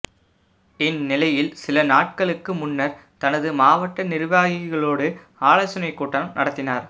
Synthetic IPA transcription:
ɪnːɪlɐjɪlsɪlɐnaːʈ̚kɐɭɯkːɯmʊnːɐɾ | t̪ɐnɐðɯmaːʋɐʈːɐnɪɾɯʋaːɣɪɣɐɭoːɽɯ | aːɭɐsʊnɐɪkːuːʈːɐnɐmnɐɽɐt̪ːɪnaːɾ

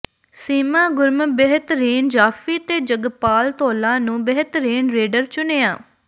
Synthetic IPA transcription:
siːmãːɡʊɾməbəɦt̪əɾiːnd͡ʒaːfiːt̪eːd͡ʒəɡpaːlt̪oːlãːnũːbəɦt̪əɾiːnɾeːɖəɾt͡ʃʊneːãː

